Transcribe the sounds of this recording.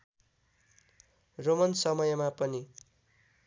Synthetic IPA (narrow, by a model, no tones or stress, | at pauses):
romʌnsʌmʌjʌmapʌni